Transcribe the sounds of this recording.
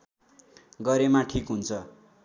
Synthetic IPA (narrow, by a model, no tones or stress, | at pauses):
ɡʌɾemaʈʰikɦunt͡sʰʌ